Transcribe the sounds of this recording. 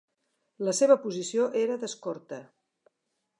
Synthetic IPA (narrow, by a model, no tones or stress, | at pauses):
ləseβəpuzisioʔeɾəðəskɔɾt̪ə